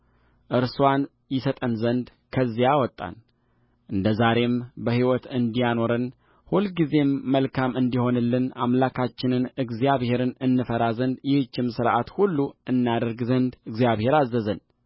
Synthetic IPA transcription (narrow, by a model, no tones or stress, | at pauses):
ʔɨɾswan | jɪsət̪ʼənzənd̪ | kʰəzːijawɔt̪ʼːa̰n | ʔɨnd̪əzaɾe̞mbəhiwɔt̪ɨnd̪ijano̞ɾɨn | hulɡize̞mːəlkʰamɨnd̪iho̞nɨlːɨna̰mlakʰat͡ʃːɪnɨnɨɡzijaβhe̞ɾɨnɨnːɨfəɾazənd̪jɪhɨt͡ʃːɪmsɨɾʔat̪hulːuɨnːjad̪əɾɡzənd̪ɨɡzjaβhe̞ɾazːəzən